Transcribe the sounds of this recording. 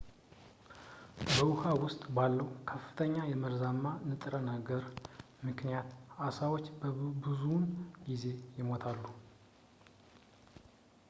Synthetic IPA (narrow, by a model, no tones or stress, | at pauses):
bəwuhawʊst̪ʼbalːəwkʰəfːɨ̥t̪ʰəɲːajɛməɾzamːanɨt̪ʼɾənaɡəɾ | mɨknijat̪asawo̞t͡ʃːbəbɨzunɡize̞jɪmo̞t̪ʰalːu